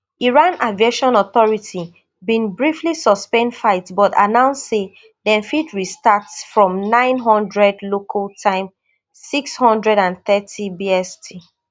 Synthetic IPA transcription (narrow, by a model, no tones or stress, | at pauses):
iɹãnavieʃɔ̃nɔθɔɹitʰi | bĩnbɹiflisɔspɛ̃ndfaɪtbɔta̰nãʊ̃nsːe | dɛ̃nfitɹistatsfɹɔ̃mnãɪ̃nɦɔ̃ndɹɛdlokʰaltʰãɪ̃m | sikshɔ̃ndɹɛdãnθɛtʰibiɛstʰi